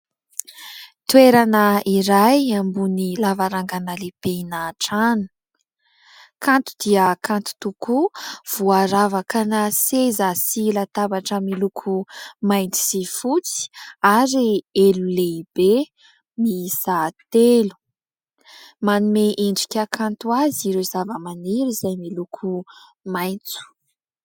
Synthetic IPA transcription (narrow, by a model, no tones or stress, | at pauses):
t̪weɾanəiɾajambunilavaɾaŋɡanalepeinaʈ͡ʂanu̥ | kant̪u̥d̪iəkant̪u̥t̪ukuv̥uaɾavakanasezasilat̪abaʈ͡ʂəmilukʰumajnt͡si̥z̥ifut͡si̥aɾieluleb̥e | miz̥at̪elu̥ | manumeʔeɳɖ͡ʐikʲakʰant̪uaziɾezavəmaniɾizajmilukʰu | majnt͡su̥